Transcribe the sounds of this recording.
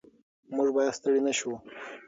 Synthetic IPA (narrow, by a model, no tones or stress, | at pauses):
muʐbɑjad̪st̪əɽinaʃu